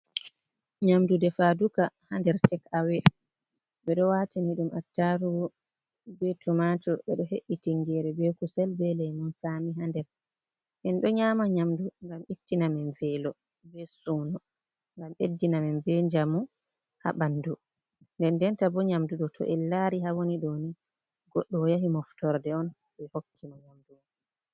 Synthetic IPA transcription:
ɲamdudɛfadukahandɛɾtɛkawɛ | bɛɗɔwatiniɗumatːaɾu | bɛtumatɔɓɛɗɔheʔːitiŋɡɛɾɛbɛkusɛlbɛlɛnunsamiɦandɛɾ | ʔɛnɗɔɲaːmaɲamduŋɡamitːinamɛnvɛlɔ | bɛsuːnɔ | ŋɡamedːinamɛnbɛɲd͡ʒamu | ha̰ɓandu | ndɛndɛntabɔɲamduɗɔtʰɔ̰ʔɛlaɾiɦawoniɗoni | ɡɔɗːɔjaɦimɔftɔɾdɛɔn | bɛhokːimaɲamdu

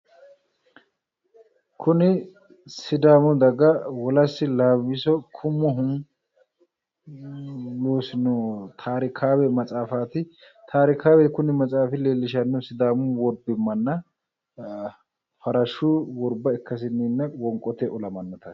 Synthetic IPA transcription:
kʰʊnɪ | sɪd̪aːmʊd̪ɐɡɐwɔlɐsːɪlaːwɪsɔkʰʊmːɔɦʊm | loːsɪnɔt̪ʰaːɾɪkʰaːwɛmɐt͡sʼaːfaːt̪ɪ | t̪ʰaːɾɪkaːwɛkʊnɪmɐt͡sʼaːfɪle̞ːlːɪʃ̬ɐnːʊsɪd̪aːmʊwɔɾbɪmːɐnːɐ | fɐɾɐʃʊwɔɾbɐɪkːɐs̬ɪnːɪnːɐwɔŋkʼːɔt̪ɛʔɔlɐmɐnːɔt̪ɐ

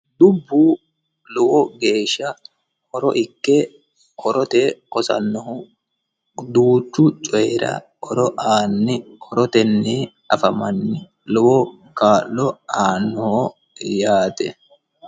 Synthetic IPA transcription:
d̪ʊbːuː | lɔwɔɡe̞ːʃːɐ | kɔɾɔʔɪkːɛ | kʰɔɾɔt̪ekɔsɐ̰nːɔɦʊ | d̪uːt͡ʃːʊt͡ʃʼɔjɾɐ̰ | ɔɾɔʔaːnːɪkʰɔɾɔt̪ɛnːɛ | ɐfɐmɐnːɪ | lɔwɔ | kaːlːɔaːnːɔhɔ | jaːt̪ɛ̰

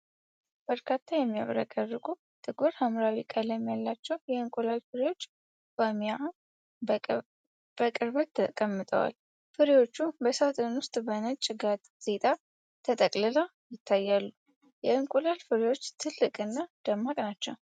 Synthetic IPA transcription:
b̥əɾkʰat̪ʰːajɛmːija̰βɾa̰kʼərːɨɡʼu | t̪ʼɨɡuɾhamɾawikʼalɛmːijalːat͡ʃːɛwjɛɨŋkʼulalfɨɾewo̞t͡ʃː | bama | b̥əkʼɨɾbət̪ʰːəkʼəmːɨt̪ʼə̰wa̰l | fɨɾewo̞t͡ʃːubəsat̪ʼɨnwʊst̪ʼbənət͡ʃʼɡat̪ʼ | z̥e̞t̪ʼa | t̪ʰət̪ʼəkʼlɨla | jɪt̪ʰːajːalːu | jɛɨŋkʼulalfɨɾewo̞t͡ʃːt̪ʰɨlːɨkʼɨnːad̪̥əmːakʼnat͡ʃːɛw

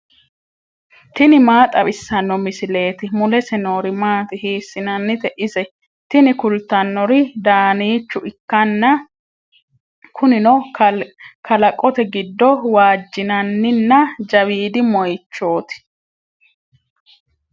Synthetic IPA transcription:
t̪ɪnɪmaːt̪ʼɐβɪsːɐnːɔmɪsɪle̞ːt̪ɪmʊlɛsɛno̞ːɾɪmaːt̪ɪhiːsːɪnɐnːɪt̪ɛʔɪsɛ | t̪ɪnɪkʊlt̪ːɐnːɔɾɪd̪aːniːt͡ʃːʊʔɪkːɐnːɐ | kʰʊnɪnɔ | kʰɐlɐkʼːɔt̪ɛɡɪd̪ːɔwaːd͡ʒːɪnɐnːɪnːɐd͡ʒɐwiːd̪ɪmɔjt͡ʃːo̞ːt̪ɪ̥

